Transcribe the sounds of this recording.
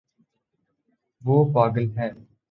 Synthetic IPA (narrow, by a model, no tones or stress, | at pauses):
ʋoːpaːɡəlɦɛː